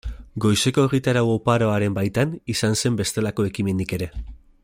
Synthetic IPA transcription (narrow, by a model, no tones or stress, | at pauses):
ɡo̞jse̞ko̞e̞ɣ̞it̪aɾawopaɾo̞aɾe̞mbajt̪anisanse̞mbe̞st̪e̞lako̞e̞kime̞nd̪ike̞ɾe̞